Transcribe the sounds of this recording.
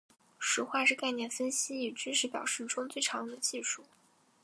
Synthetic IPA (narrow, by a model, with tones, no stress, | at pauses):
ʂɻ̩˧˥xwa˥˧ʂɻ̩˥˧ka˥˧ɪnjɛ˥˩nfə˥nɕi˥i˨˩ʈ͡ʂy˥ʂ̬ɻ̩˧˥pjɑ̰˨˩ʊʂɻ̩˥˩ʈ͡ʂʊ˥ŋt͡swe˥˩ɪʈ͡ʂʰɑ˧˥ŋ˧d̪ə˧t͡ɕi˥˧ʂu˥˩